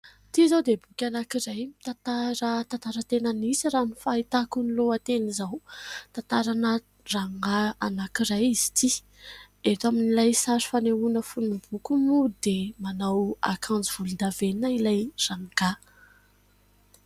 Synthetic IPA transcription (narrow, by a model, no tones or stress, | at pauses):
t̪izawd̪ebukʲanakiɾajmi̥t̪at̪aɾat̪ant̪aɾət̪enənisiranufait̪akuniluat̪enizawt̪ant̪aɾanə | raŋaanakiɾajizi̥t̪i | et̪aminilajsaɾi̥faneunəfunnubukumud̪emanawa̰kʰãnd͡ziv̥ulund̪aveninailajraŋɡa